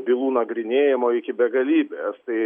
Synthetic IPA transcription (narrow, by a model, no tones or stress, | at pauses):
bʲɪlˠuːnɐɡɾʲɪnʲeːjɪmoːɪkʲɪbʲɛɡɐlʲiːbʲeːst̪ɐɪ